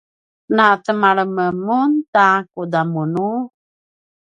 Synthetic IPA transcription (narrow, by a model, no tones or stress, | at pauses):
natəmaɭəməmuntakudamunu